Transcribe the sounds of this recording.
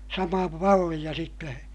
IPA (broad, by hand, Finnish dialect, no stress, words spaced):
sɑmɑː mɑlːij̆ɑ sitːe